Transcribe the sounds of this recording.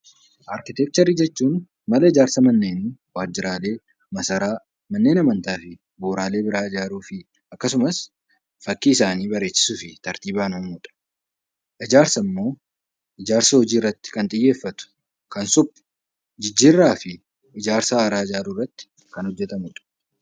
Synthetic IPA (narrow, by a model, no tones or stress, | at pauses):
ʔaːɾkɪt̪ɛk̚t̪ɐɾiːd͡ʒɛt͡ʃːuːn | mɐlɐɪd͡ʒaːɾsɐmɐnːe̞ːnwaːd͡ʒːɪɾaːle̞ː | mɐsɐɾaː | mɐnːe̞ːnɐmɐnt̪aːfɪ | boːɾaːle̞ːbɪɾaːɪd͡ʒaːɾuːfɪ | ʔɐkːɐsʊmɐs | fɐkːɪɪsaːniːbɐɾe̞ːsːɪ̥suːfɪt̪ɐɾt̪iːbaːnɔmʊːᶑɐ̥ | ʔɪd͡ʒaːɾsɐmːo̞ː | ɪd͡ʒaːɾsɐhɔd͡ʒiːɪrːɐt̪ːɪ̥kɐnt̪ʼɪjːe̞ːfːɐt̪ʊ̥ | kɐnsʊpːʊ̥ | d͡ʒɪd͡ʒːɪrːaːfɪ | ɪd͡ʒaːɾsaːɾaːɪd͡ʒaːɾuːrːɐt̪ːɪ̥ | kɐnhɔd͡ʒːɛt̪ɐmʊːᶑɐ̥